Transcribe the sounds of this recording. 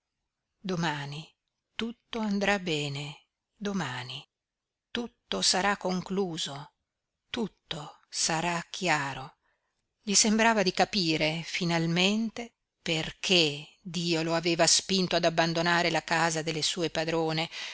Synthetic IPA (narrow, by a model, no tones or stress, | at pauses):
d̪omaːni | t̪ut̪ːoand̪ɾabɛːne | d̪omaːni | t̪ut̪ːosaɾakːoŋkluːzo | t̪ut̪ːo | saɾak̟ʰjaːɾo | ʎisembɾaːvad̪ikapiːɾefinalment̪e | perkʰe | d̪iːoloaveːvaspint̪oad̪abːand̪onaːɾelakaːzad̪elːesuːepad̪ɾoːne